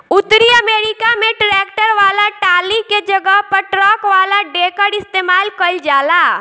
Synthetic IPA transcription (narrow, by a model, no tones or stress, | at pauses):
ʊt̪ːɾiəmeːɾɪkamẽʈɾɛːkʈəɾʋaːlaʈaːliked͡ʒəɡəɦpəʈɾɔːkʋaːlaɖeːkəɽɪst̪eːmaːlkəld͡ʒaːlaː